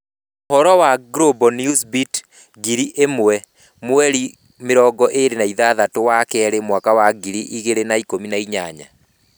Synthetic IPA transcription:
oɦɔɾɔwaɡɾobɔnjusbit | ɡiɾiʔemwɛ | mwɛɾi | meɾɔɡɔʔeɾenaiðaðatowakɛɛɾemwakawaɡiɾiʔiɣeɾenaikominaiɲaɲa̰

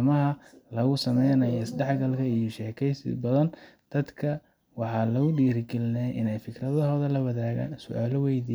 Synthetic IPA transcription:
mɐɦɐlɐɣʊsɐmɛjnɐjɔɪsdɛħɡɐlkʰɐijɔʃɛːkʰɛjsɪ̰bɐðɐnd̪̥ɐd̪kʰɐ | wɑħɑːlɐɣʊɖiːɾɪɡɪlɪnɛjʔɪnɛjfɪkʰrɐðɔɦɔːðɛlɐwɐðaːɣa̰ːnsʊʔaːlɔwɛjði

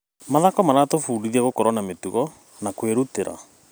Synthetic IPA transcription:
maðakɔmaɾatofuːɾiðiɛɣokɔɾwɔnametuɣɔ | nakweɾuteɾa̰

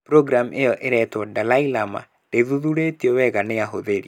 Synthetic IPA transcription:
pɾoɡɾamejɔʔeɾɛtwɔdalailama̰ | d̥eðuðuɾetiɔwɛɣaneaɦoðeɾḭ

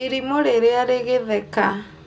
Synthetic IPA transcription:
eɾimoɾeɾeaɾeɣeðɛka

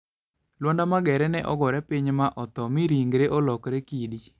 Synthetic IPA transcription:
lwɔndamaɡɛɾɛnɛʔɔɡɔɾɛpiɲmaʔɔt̪ɔmiɾiŋɡɾeʔɔlɔkɾekidi

